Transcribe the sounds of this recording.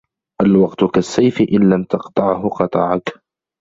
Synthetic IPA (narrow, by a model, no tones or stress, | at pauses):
ʔalwɑqt̪ʊkasːajfɪʔɪnlamt̪ɑqt̪ˤɑʕhʊqɑt̪ˤɑʕak